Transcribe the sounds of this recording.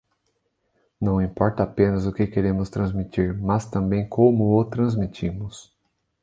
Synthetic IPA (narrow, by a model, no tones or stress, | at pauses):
nɐ̃w̃ĩpɔɾt̪ɐapẽnɐzʊkɪkeɾẽmʊst̪ɾɐ̃zmit͡ʃ̪iɾmɐst̪ɐ̃mbẽj̃kʰõmʊot̪ɾɐ̃zmit͡ʃĩmʊs